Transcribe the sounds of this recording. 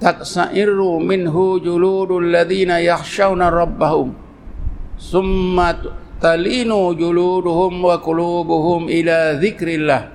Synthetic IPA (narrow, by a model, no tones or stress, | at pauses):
t̪aksaʔɪrːumɪnɦʊd͡ʒʊluːd̪alːaðiːnajaxʃawnaɾˤɑbːahʊm | θʊmːat̪aliːnuːd͡ʒʊluːd̪ʊhʊmwakʊluːbʊhʊmʔɪlaːðɪkɾɪlːaːh